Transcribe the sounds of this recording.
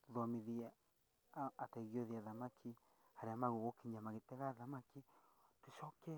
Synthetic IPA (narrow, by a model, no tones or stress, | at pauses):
ðoamĩðia | at̪eɣjoðiaðamãkʰi | haɾiamãɣoɣokiɲãmãɣit̪eɣaðamãkit̪iʃoke